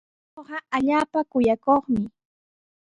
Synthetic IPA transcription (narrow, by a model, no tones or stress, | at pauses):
noɢɑaʎaːpakʊjakoχmɪ